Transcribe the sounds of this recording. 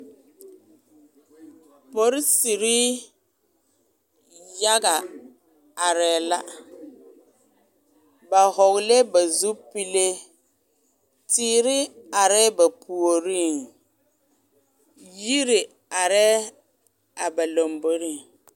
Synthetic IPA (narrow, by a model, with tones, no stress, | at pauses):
po˨ɾɪ˦si˨ɾi˦ | ja˦ɡa˨ | a˨ɾɛː˨la˦ | ba˨hɔ˨ɣle˦ba˨zu˦pi˦le˦ | tiː˦ɾɪ˦a˨ɾɛ˦ba˨pʰu˨o˨ɾi˦ŋ | ji˦ɾɪ˨ | a˨ɾɛː˦ | a˨ba˨lo˨mbo˦ɾi˦˨ŋ